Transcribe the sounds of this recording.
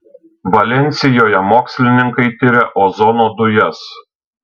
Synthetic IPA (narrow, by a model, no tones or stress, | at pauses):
ʋɐlʲɛnʲˑt̪sʲɪjoːjɛmoːksʲlʲɪnʲɪŋkɐɪt̪ʲɪɾʲɛʔoːzɔnod̪ʊjɛs